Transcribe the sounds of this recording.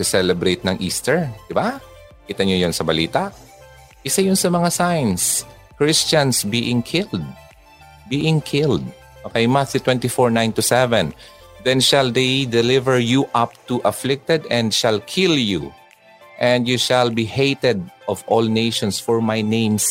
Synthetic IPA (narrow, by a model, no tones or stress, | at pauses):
sɛsɛlɛbɾejt̪̚nɐŋʔḭːst̪ɛɹd̪̥ɪba | kiːt̪ɐɲojʊnsɐbɐliːt̪aʔ | ʔɪsajʊnsɐmɐŋasajns | kɹɪst͡ʃɐ̃nsbiʔɪ̃ŋkʰɪld̪̚ | biːʔɪ̃ŋkʰɪld̪̚ | mɐkɐjmant̪jut̪wɛ̃nt̪ifɔɹnãjnt̪ʊsɛvɛ̃n | d̪ɛ̃nʃɐld̪ejd̪ɛlɪvɛɹjuʔɐp̚t̪uʔɐflɪk̚t̪ɛd̪ɛ̃nd̪ʃɐlkʰɪlju | ʔɛ̃nd̪juʃɐlbihejt̪ɛd̪̚ʔɔvʔɔlnejʃɔ̃nsfɔɹmajnẽjms